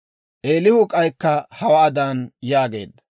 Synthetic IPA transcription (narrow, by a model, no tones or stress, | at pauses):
ʔeːlɪhʊkʼɐjkːɐhɐwaːd̪aːnjaːɡe̞̰ːd̪ːɐ